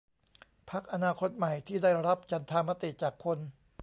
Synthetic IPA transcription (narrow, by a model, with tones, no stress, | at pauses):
pʰa˦˥k̚ʔa˧naː˧kʰo˦˥t̪̚ma˨˩jt̪ʰiː˥˩daː˥˩jɾa˦˥p̚t͡ɕa˧nt̪ʰaː˧ma˦˥t̪i˨˩t͡ɕaː˨˩kʰːo˧n